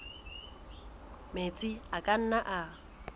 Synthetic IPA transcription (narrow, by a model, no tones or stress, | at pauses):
met͡sʼɪakʼan̩naʔa